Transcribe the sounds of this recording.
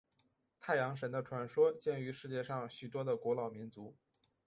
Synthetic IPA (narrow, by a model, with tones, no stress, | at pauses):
t̪ʰa˥˩ɪjɑ˧˥ŋʂ̬ə˧˥nd̪ə˧ʈ͡ʂʰwa˧˥nʂwɔ˥t͡ɕjɛ˥˧˩ny˧˥ʂɻ̩˥˧t͡ɕjɛ˥˧ʂɑ˥˩ŋɕy˨˩t̪wɔ˥d̪ə˨kwɔ˧˥lɑ˨˩ʊmi˧˥nt͡su˧˥